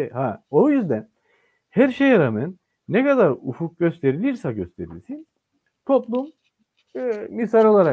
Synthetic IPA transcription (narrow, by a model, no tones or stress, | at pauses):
hao̞jyzd̪æn | hæɾʃejaɾamɛnː | ekad̪aɾufuk̚ɟø̞st̪ʰe̞ɾilʲiɾsaɟø̞st̪ʰe̞ɾḭlʲsin | t̪ʰo̞plˠum | misaɾo̞lˠaɾa